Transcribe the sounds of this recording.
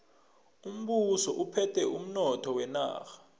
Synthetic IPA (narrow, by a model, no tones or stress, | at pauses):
um̩ɓusɔʔupʰɛtʰɛum̩nɔtʰɔwɛna̰ːxḁ